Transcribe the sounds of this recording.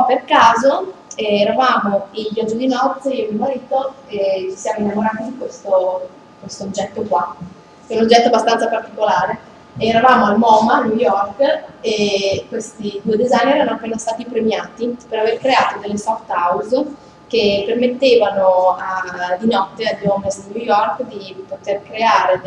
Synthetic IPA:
pːerkaːzo | ɛɛːɾavaːmoiʎːɔd͡ʒːid̪inɔt̪ːeiomiomaɾiːt̪oet͡ʃi̥sjaːmoinːamoɾaːt̪id̪ikwest̪o | kwest̪oːd͡ʒːɛt̪ːokwa | ɛunod͡ʒːɛt̪ːoabːast̪ant̪sapart̪ikolaːɾeː | ɾavaːmoalmɔːmanujɔrkekːwest̪id̪ued̪ezajnːiɛɾanoapːeːnast̪aːt̪ipɾemjaːt̪ipeɾaverkɾeaːt̪od̪elːesɔft̪awz | k̟epːermet̪ːeːvanoad̪inɔt̪ːead̪jɔmezd̪inujɔrkd̪ipot̪erkɾeaːɾe

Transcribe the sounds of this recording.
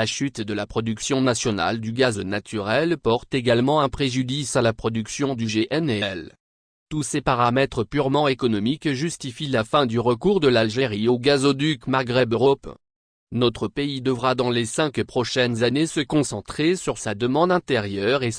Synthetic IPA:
laʃyt̪d̪əlapχɔd̪yksjɔ̃nasjɔna̰ld̪yɡaznat̪ʰyʁɛlpɔʁt̪eɡalmɑ̃ɛ̃pχeʒyd̪isalapχɔd̪yksjɔ̃d̪yʒeʔɛnɛl | t̪usepaʁamɛt̪χəpyʁmɑ̃ekɔnɔmikʒyst̪ifilafɛ̃d̪yʁəkuʁd̪əlalʒeʁioɡazod̪ykmaʁɡʁɛbøʁɔp | nɔt̪χəpeid̪əvʁad̪ɑ̃lesɛ̃kpχɔʃɛnzanesəkɔ̃sɑ̃t̪χesyʁsad̪əmɑ̃d̪ɛ̃t̪eʁjœʁe

